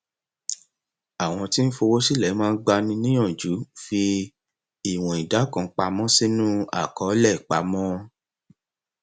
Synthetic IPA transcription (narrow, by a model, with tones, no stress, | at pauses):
a˨w̃ɔ̃˧ti˦n̩˦fo˧wo˦si˦lɛ˨˦mãː˦˧˦ɡ͡ba˧nĩ˧nĩ˦j̃ɔ̃˦˨d͡ʒu˨˦fi˧ | i˦˨w̃ɔ̃˨i˨da˨˦kã˨˧k͡pa˧mɔ̃˦si˦nũ˦a̰˦˨kɔ˨˦lɛ˦˨k͡pa˨˦mɔ̃˦